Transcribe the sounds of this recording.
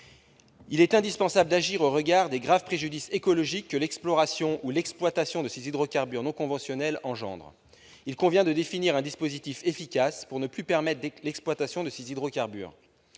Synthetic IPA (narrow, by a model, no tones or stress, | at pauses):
ilɛt̪ɛ̃d̪ispɑ̃sabləd̪aʒiʁoʁəɡaʁd̪eɡʁavpχeʒyd̪isekɔlɔʒikːəlɛksplɔʁasjɔ̃ʔulɛksplwat̪asjɔ̃d̪əsezid̪ʁokaʁbyʁnɔ̃kɔ̃vɑ̃sjɔnɛlɑ̃ʒɑ̰̃d̪ʁ | ilkɔ̃vjɛ̃d̪əd̪efiniʁɛ̃d̪ispozit̪ifefikʲaspuʁnəplypɛʁmɛt̪χdlɛksplwat̪asjɔ̃d̪əsezid̪ʁokaʁby̰ːʁ